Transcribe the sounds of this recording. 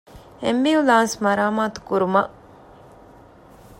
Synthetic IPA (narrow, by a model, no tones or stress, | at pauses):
embiulaːnsmɐɾaːmaːt̪u̥kuɾumɐʔ